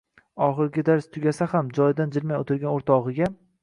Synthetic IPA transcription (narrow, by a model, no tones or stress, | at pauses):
ɒχɨɾɡʲɪd̪aɾst̪ʰʊɡʲasahamd͡ʒɒjd̪and͡ʒɪlmajot̪ʰɪɾɡʲanoɾt̪ʰɒʁɨɡʲa